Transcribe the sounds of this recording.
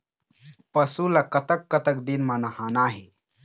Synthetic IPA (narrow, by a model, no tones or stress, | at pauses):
pɐsulɐkɐt̪ɐkːɐt̪ɐkd̪inmanɐhaːnaːɦe